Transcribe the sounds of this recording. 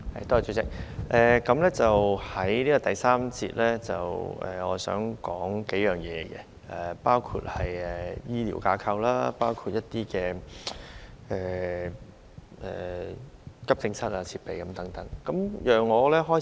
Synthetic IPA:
hɐ̰˨˩jt̪ɔː˥˨t͡ʃɵ˨˧˥t͡sɪ˨˥k̚ʔɛː˨kɐ˨˥mlɛː˥t͡sɐ˨whɐ˨˥jniː˥kɔː˨˧t̪ɐ˨jsaː˥mt͡sḭː˧t̚lɛː˥t͡sɐ˨wʔɛ̰˨ŋɔː˨˧sœ̰ː˨˥ŋkɔː˨˥ŋke˨˥jœː˨˩ŋjɛː˨˧ɡɛ̰˧ | ʔɛː˨˩paː˥wkʰṵ˧t̚hɐ˨jɛ˨jiː˥lḭː˨˩wkaː˧kʰɐ˧wlaː˥paː˥wkʰuː˧t̚jɐ˥t̚t̪iː˥kɛː˧ | ɛː˨ | ʔɛː˨˩ | kɐ˥p̚tɪ˧ŋsɐ˥t̚aː˧t͡sʰiː˧t̚pe˨jkɐ˨˧˦mt̪ɐ˨˥ŋt̪ɐ˨˥ŋkɐ˨˥mjœː˨ŋːɔː˨˧lɛː˥ɦɔː˥

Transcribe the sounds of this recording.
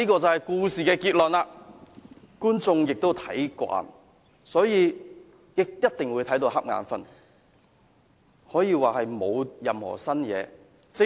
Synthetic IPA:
iː˥kɔː˧t͡sɐ˨whɐ˨jkuː˧siː˨kɛː˧kiː˧t̚lɵ˨˩nlaː˧ | kuː˥nt͡sʊ˧ŋjɪ˨k̚t̪wt̪ʰɐ˨˥jkʷa̰ː˧˩n | sɔː˨˥jiː˨˧ | jɪ˨k̚jɐ˥t̚t̪ɪ˨ŋwu˨˧jt̪ʰɐ˨˥jt̪o˧whɐ˥p̚ŋa̰ː˨˧nfɐ̰˨˩n | hɔː˨˥jiː˧waː˨hɐ˨jmo˨˧wjɐ˨mhɔ̰ː˨˩sɐ˥njɛ̰ː˨˧ | t͡sɪ˨˥

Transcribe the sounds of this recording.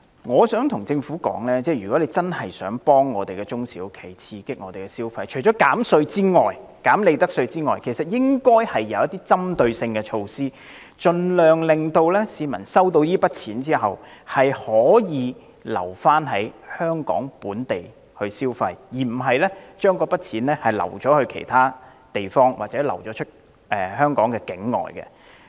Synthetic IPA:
ŋɔː˨˧sœː˨˥ŋt̪ʰʊ˨˩ŋt͡sɪ˧ŋfuː˨˥kɔ̰ː˨˥ŋlɛː˥t͡sɛː˥jyː˨kɔ˨˥le˨˧jt͡sɐ˥nhɐ˨jsœː˨˥ŋpɔː˥ŋːɔː˨˧t̪e˨˩jkɛ˧t͡sʊ˥ŋsḭː˨˥wkʰe˨˩jt͡sʰiː˧kɪ˥k̚ŋɔː˨˧te˨˩kɛ˧siː˥wfɐ˧jt͡ʃʰɵ˨˩jt͡ʃɔː˨˥kaː˨˥msɵ˧ɥt͡siː˥ŋɔː˨j | kaː˨˥mle˨˧jt̪ɐ˥k̚sɵ˧ɥt͡siː˥ŋɔː˨jkʰe˨˩sɐ˨t̚jɪ˥ŋkɔː˥jhɐ˨jːɐ̰˨˧wjɐ˥t̪iː˥t͡sɐ˥mt̪ɵ˧ɥsɪ˧ŋkɛ˧t͡ʃʰo˧wsiː˥ | t͡ʃɵ˧nlœː˨ŋlɪ˨ŋt̪o˧wlɛː˥siː˨˧mɐ˨˩nsɐ˥wt̪o˧wjiː˥pɐ˥t̚t͡sʰiː˨˥nt͡siː˥ɦɐ̰˨whɐ˨jhɔː˨˥jiː˨˧ | lɐ̰˨˩wfaː˥nɦɐ˨˥jhœː˥ŋkɔ̰ː˨˥ŋpuː˨˥nt̪e˨j | hɵ˧ɥsiː˥wfɐ˧jjiː˨˩m̩˨˩ɦɐ˨jlɛ˥t͡ʃœː˥ŋkɔː˧pɐ˥t̚t͡sʰiː˨˥nlɛː˥hɐ˨˩jlɐ̰˨˩wt͡ʃɔː˨˥hɵ˧ɥkʰḛ˨˩jt̪ʰaː˥ | t̪e˨jfɔː˥ŋwʔaː˨t͡sɛː˨˥lɐ˨˩wt͡ʃɔː˨˥t͡ʃʰɵ˥t̚ | ʔɛː˨˩hœː˥ŋkɔː˨˥ŋkɛː˧kɪ˨˥ŋːɔ̰ː˨jkɛ̰˧

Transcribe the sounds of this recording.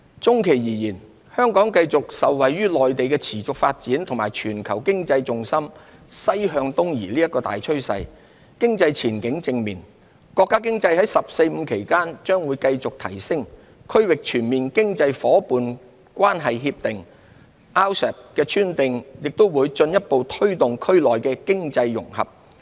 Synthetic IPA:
t͡sʊ˥ŋkʰe˨˩jjiː˨˩jiː˨˩n | hœː˥ŋkɔː˨˥ŋkɐ˧jt͡sʊ˨k̚sɐ˨wːɐ˨jyː˥lɔː˨jt̪e˨jkɛː˧t͡sʰiː˨˩t͡sʊ˨k̚fa̰ː˧t̚t͡siː˨˥nt̪ʰʊ˨˩ŋmaː˨˩jt͡ʃʰyː˨˩nkʰɐ˨˩wkɪ˥ŋt͡sɐ˧jt͡sʊ˧ŋsɐ˥msɐ˥jɦœː˧ŋt̪ʊ˥ŋjiː˨˩liː˥jɐ˥t̚kːɔː˧t̪a̰ː˨jt͡ʃʰɵ˥ɥsɐ̰˧j | kɪ˥ŋt͡sɐ˧jt͡sʰiː˨˩nkɪ˨˥ŋt͡sɪ˧ŋmḭː˨˩n | kɔː˧kːaː˥k̬ɪ˥ŋt͡sɐ˧jhɐ˨˥jsɐ˨p̚se˧jm̩˨˧kʰe˨˩jkaː˥nt͡ʃœː˥ŋwuː˨˧jkɐ˧jt͡sʊ˨k̚t̪ʰɐ̰˨˩jsɪ˥ŋ | kʰɵ˥ɥwɪ˨k̚t͡ʃʰyː˨˩nmiː˨nkɪ˥ŋt͡sɐ˧jfɔː˨˥puː˨n | kʷaː˥nɦɐ˨jɦiː˧p̚t̪ɪ˨ŋ | aː˥wsɛ˨˩p̚kɛː˧t͡ʃʰyː˥nt̪ɪ˨ŋjɪ˨k̚t̪o˥wwuː˨˧jt͡ʃɵ˧njɐ˥t̚po˨˧wt̪ʰɵ˥ɥt̪ʊ˨ŋkʰɵ˥ɥlɔː˨jkɛː˧kɪ˥ŋt͡sɐ˧jːʊ̰˨˩ŋhɐ̰˨p̚

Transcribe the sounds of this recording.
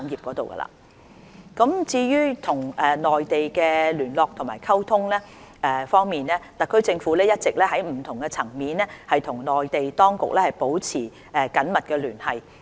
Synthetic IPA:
ŋjiː˨p̚kɔː˨˥t̪o˨wkɐ̰˧la̰ː˨ | kɐ˨˥mt͡siː˧jyː˥t̪ʰʊ˨˩ŋɛ˨nɔː˨jt̪e˨jkɛː˧lyː˨˩nlɔː˨k̚t̪ʰʊ˨˩maː˨˩jkʰɐ˥wt̪ʰʊ˥ŋlɛː˥ | ɛ˨fɔː˥ŋmiː˨nlɛː˥t̪ɐ˨kʰːɵ˥ɥt͡sɪ˧ŋfu˨˥lɛː˥jɐ˥t̚t͡sɪ˨k̚lɛː˥ɦɐ˨˥jm̩˨˩t̪ʰʊ˨˩ŋkɛ˧t͡sʰɐ˨˩ŋmiː˨˥nɛː˥hɐ˨jt̪ʰʊ˨˩ŋnɔː˨jt̪e˨jt̪ɔː˥ŋkʊ̰˨k̚lɛː˥hɐ˨jpo˨˥wt͡sʰiː˨˩ | ɛ˨˧kɐ˨˥nmɐ˨t̚kɛː˧lyː˨˩nhɐ˨j

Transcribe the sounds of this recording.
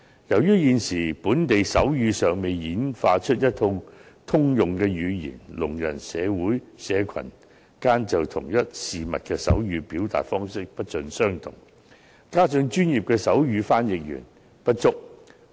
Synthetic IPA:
jɐ˨˩wjyː˥jiː˨nsiː˨˩puː˨˥nt̪e˨jsɐ˨˥wjyː˨˧sœː˨ŋme˨jjiː˨˥nfa̰ː˧t͡ʃʰɵ˥t̚jɐ˥t̪ʰːʊ˧ŋ | t̪ʰʊ˥ŋjʊ˨ŋkɛː˧jyː˨˧jḭː˨˩nlʊ˨˩ŋjɐ̰˨˩nsɛː˨˧wuː˨˥jsɛː˨˧kʰɐ̰˨˩n | kaː˥nt͡sɐ˨wt̪ʰʊ˨˩ŋjɐ˥t̚siː˨mɐ˨t̚kɛ˧sɐ̰˨˥wjyː˨˧piː˨˥wt̪a̰ː˨˩tfɔː˥ŋsɪ˥k̚pɐ˥t̚t͡sɵ˧nsœː˥ŋt̪ʰʊ̰˨˩ŋ | kaː˥t͡sɵ˧ŋt͡ʃyː˥njiː˨p̚kɛː˧sɐ˨˥wjyː˧faː˥njɪ˨k̚jy̰ː˨˩n | pɐ˥t̚t͡sʊ˥k̚

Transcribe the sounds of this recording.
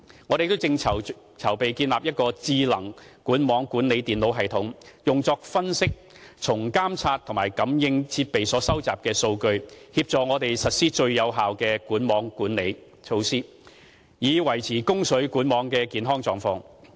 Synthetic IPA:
ŋɔː˨˧ɾe˨t̪o˥wt͡sɪ˧ŋt͡sʰɐ˨˩w | t͡sʰɐ˨˩wpe˨jkiː˧nlaː˨p̚jɐ˥t̚kɔː˧t͡siː˧lɐ˨˩ŋ | kuː˨˥nmɔː˨˥ŋkuː˨˥nle˨˧jt̪iː˨nlo˨˥wɦɐ˨jt̪ʰʊ˨˥ŋjʊ˨ŋt͡sɔː˧k̚fɐ˥nsɪ˥k̚ | t͡sʰʊ˨˩ŋkaː˥mt͡sʰaː˧t̚t̪ʰʊ˨˩ŋmaː˨˩jkɐ˨˥mjɪ˧ŋt͡sʰiː˧t̚pe˨jsɔː˨˥sɐ˥wt͡saː˨p̚kɛː˧so˧wkɵ˧ɥhiː˧p̚t͡sɔː˨ŋɔː˨˧t̪e˨jsɐ˨t̚siː˥t͡ʃɵ˧ɥjɐ˨˧wɦaː˨wkɛː˧kuː˨˥nmɔː˨˥ŋkuː˨˥nle˨˧j | t͡ʃʰo˧wsiː˥ | jiː˨˧wɐ˨˩jt͡sʰiː˨˩kʊ˥ŋsɵ˨˥ɥkuː˨˥nmɔː˨˧˥ŋkɛː˧kiː˨˧nɦɔː˥ŋt͡sɔː˨ŋfɔː˧ŋ

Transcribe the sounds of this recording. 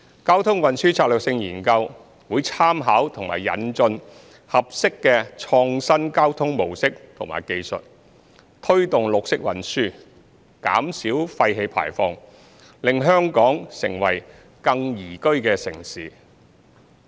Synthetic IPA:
kaː˥wt̪ʰʊ˥ŋwɐ˨nsyː˥t͡sʰaː˧k̚lœː˨k̚sɪ˧ŋjiː˨˩nkɐ˧w | wuː˨˧jt͡sʰaː˥mɦaː˨˥wt̪ʰʊ˨˩ŋma̰ː˨˩jːɐ̰˨nt͡ʃɵ˧n | hɐ˨p̚sɪ˥kːɛː˧t͡ʃʰɔː˧ŋsɐ˥nkaː˥wt̪ʰʊ˥ŋmo˨˩wsɪ˥k̚t̪ʰʊ˨˩ŋma̰ː˨˩jke˧jsɵ̰˨t̚ | t̪ʰɵ˥ɥt̪ʊ˨ŋlʊ˨k̚sɪ˥k̚wɐ̰˨nsyː˥ | ka̰ː˨˥msiː˨˥wfɐ˧jɦe˧jpʰa̰ː˨˩jfɔː˧ŋ | lɪ˨ŋɦœː˥ŋkɔː˨˥ŋsɪ̰˨˩ŋwɐ̰˨˩j | kɐ˧ŋjiː˨˩kɵ˥ɥkɛː˧sɪ̰˨˩ŋsiː˨

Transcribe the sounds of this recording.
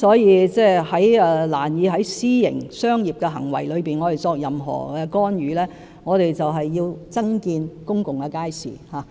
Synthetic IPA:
sɔː˨˥jiː˨˧t͡sɛː˥˩hɐ˨˥jɛ˧la̰ː˨˩njiː˨˧ɦɐ˨˥jsiː˥jɪ̰˨˩ŋsœː˥ŋjiː˨p̚kɛː˧ɦɐ˨˩ŋwɐ̰˨˩jlɵ˨˧ɥpiː˨nŋɔː˨˧t̪e˨˩jt͡sɔː˧k̚jɐ˨mɦɔ̰ː˨˩kɛː˧kɔː˥nɥyː˨˦lɛː˥ | ŋɔː˨˧ɾe˨jt͡sɐ˨wɦɐ˨jːiː˧wt͡sɐ˥ŋkiː˧nkʊ˥ŋkʊ˨˩ŋkɛ˧kaː˥jsḭː˨˩haː˨˦

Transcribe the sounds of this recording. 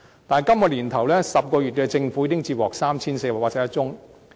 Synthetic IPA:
t̪aː˨n˨˩kɐ˥mkɔː˧liː˨˩nt̪ʰɐ˨˩wlɛː˥sɐ˨p̚kɔː˧jyː˨t̚kɛ˧t͡sɪ˧ŋfuː˨˥jɪ˥ŋt͡siː˧wɔː˨ksaː˥mt͡sʰiː˥nse˧jwaː˨˩kwaː˧˥sɛ˥jɐ˥t̚t͡sʊ˥ŋ

